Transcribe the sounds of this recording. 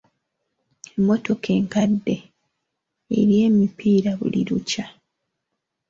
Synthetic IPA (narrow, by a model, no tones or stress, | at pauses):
e̞mːo̞to̞kʰe̞ːŋkadːe̞ | eɾje̞ːmipʰiːɾaβṵlḭɾuca